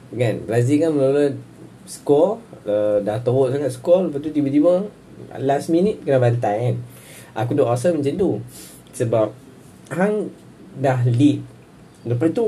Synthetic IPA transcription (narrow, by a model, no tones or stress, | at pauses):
ɡanblazikanməlulə | skɔlədaht̪əwoʔsaŋaʔskɔlləpat̪ut̪ibət̪ibə̰ | lasminit̪̚kənabant̪aan | ʔa̰kudoʔasəməɲt͡ʃant̪u | səbap̚ | haŋ | daɦlit̚ | ləpat̪u